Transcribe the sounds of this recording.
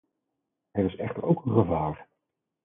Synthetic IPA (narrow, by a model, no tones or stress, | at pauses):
ɛɾɪsɛχtəɹowkənχəvaːɹ